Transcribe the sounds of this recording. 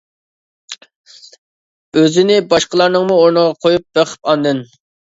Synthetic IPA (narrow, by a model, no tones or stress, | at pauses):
øzɪnɪbɑʃqəlˠɑɾnɨŋmuoɾnəʁɑqʰojup̚b̥eqʰə̥pɑnd̪ɨn